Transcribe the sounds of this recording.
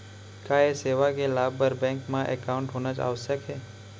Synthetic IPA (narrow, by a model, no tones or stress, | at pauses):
kaeseʋakelaːbbəɾbɛ̃ŋkmãʔɛkaʊ̃ɳʈɦoːnət͡ʃa̰ːʋəsjəkɦeː